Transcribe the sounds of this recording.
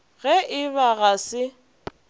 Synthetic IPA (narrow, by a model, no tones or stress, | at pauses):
ɣɛʔɪβaɣasɪ